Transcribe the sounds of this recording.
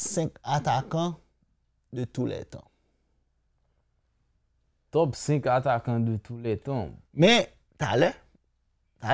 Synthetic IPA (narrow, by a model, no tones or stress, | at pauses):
sɛ̃kat̪akã | d̪ət̪ulɛ̰t̪ã̰ | t̪ɔpsɛ̃kat̪akãd̪ət̪ulɛt̪ãmɛ̃ | t̪a̰lɛ | t̪a